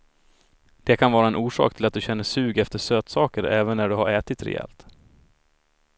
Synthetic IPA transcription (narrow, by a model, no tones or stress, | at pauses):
d̪̥ɛkʰanvɑːɾaɛnʔuːʂɑ̰ːk̚t̪ʰɪlat̪̚d̪ɵɕɛnːəʂʉ̟ːɡɛft̪əʂøːt̪sɑːkəɾɛːvənːæɖɵɦaɾɛːt̪ɪt̪ɾɛ̰ɛ̰ːlt̪